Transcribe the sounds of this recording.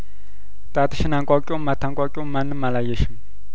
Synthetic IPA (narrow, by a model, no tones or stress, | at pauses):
t̪at̪aɕʰənːaŋkokomət̪ʰaŋkokomənəmalajəlɕʰən